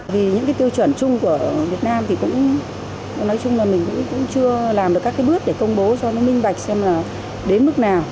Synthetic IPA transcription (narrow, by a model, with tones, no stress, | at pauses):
vi˨˩ɲɨ̰˧˥kaː˨˦jt̪i˧wt͡ɕwə˧˩nt͡ɕʊ˧ŋ͡mku˧˩əvi˨˩ət̚naː˧mt̪ʰi˨˩kʊ̰˧˥ŋ͡m | nɔ˨˦jt͡ɕʊ˧ŋ͡mlaː˨˩mï˨˩ŋ̟kʊ̰˧˥ŋ͡mkʊ̰˧˥ŋ͡mt͡ɕɨ˧əlaː˨˩mɗɨ˨˩kːaː˦˥kːɓɨ˦˥ək̚ɗe˧˩kə˧wŋ͡mɓo˨˦sɔ˧nɔ˨˦mï˧ŋ̟ɓa˨˩jk̟̚sɛ˧mlaː˨˩ | ɗe˨˦nmɨ˦˥k̚naː˨˩w